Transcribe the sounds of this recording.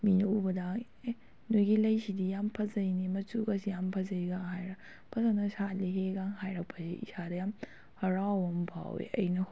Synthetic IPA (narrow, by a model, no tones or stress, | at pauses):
minɐubɐda | e | nojɡilɐjsidijampʰɐzɐjnimɐt͡ʃuɡɐsijampʰɐzɐjɡaŋɦajɾɐ | pʰɐzanɐsaliɦeɡaŋɦajɾɐk̚pʰːɐzḭʔḭsadɐjam | hɐɾawɐmpʰa̰wḛʔɐjnɐ